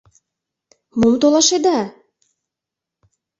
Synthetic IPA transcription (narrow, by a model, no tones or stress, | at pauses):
mumt̪olˠɑʃed̪ɑ